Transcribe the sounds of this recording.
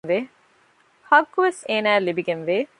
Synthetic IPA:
ʋeː | hɐɡːuʋeseːnæːlibiɡenʋeː

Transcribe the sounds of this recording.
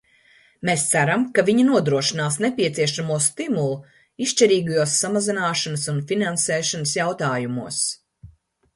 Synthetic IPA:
mest̪sæɾamkaviɲanuɔd̪ɾuɔʃinaːsnepʲiɛt̪siɛʃamuɔst̪imulˠu | iʃt͡ʃɛɾiːɡujuɔsːamazinaːʃanəsunfinansɛːʃanəsjawt̪aːjumuɔs

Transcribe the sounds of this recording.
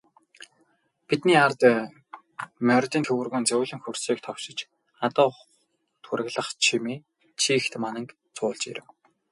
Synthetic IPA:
pit̪niːart̪ | mœrʲt̪inʰewɘ̆rɣɵːnt͡sɵwːɮɘ̆ŋxursiːk̚t̪ʰɔwʃɪ̆t͡ɕ | at̪ɔː | t̪ʰuɾɘ̆ɣɮə̆χt͡ɕʰimiː | t͡ɕʰiːxt̪manə̆ŋk | t͡sʰʊːɮt͡ɕḭɾɘ̆w

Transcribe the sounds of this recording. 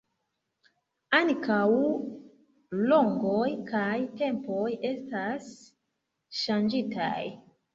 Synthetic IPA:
ankaw | lo̞ŋɡojkajte̞mpoje̞stas | ʃand͡ʒita̰j

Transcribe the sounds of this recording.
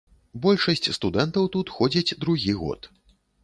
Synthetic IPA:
bɔlʲʂɐsʲt͡sʲst̪ud̪ɛnt̪ɐwt̪ut̪xɔd͡zʲit͡sʲd̪ɾuɣʲiɣɔ̰t̪

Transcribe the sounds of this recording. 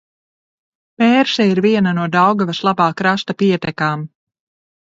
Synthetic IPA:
pɛːɾsɛiɾviɛnanuɔd̪awɡavɐslˠabaːkɾast̪apiɛt̪ɛkaːm

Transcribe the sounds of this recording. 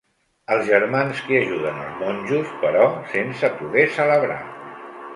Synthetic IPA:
əlˠzʒəɾmanskiəʒuðənə̰lˠzmonʲʒuspəɾɔsensəpuɣɛsələβɾa̰

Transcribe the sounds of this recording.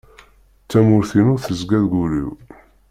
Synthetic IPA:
t͡sːæmʊɾθinʊɾθəzɡæðɡulḭw

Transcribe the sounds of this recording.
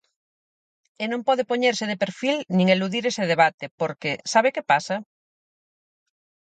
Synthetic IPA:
enõmpɔð̞epoɲeɾsɪðepeɾfilnĩŋeluðiɾeseðeβ̞at̪epoɾkesaβ̞ekepasa

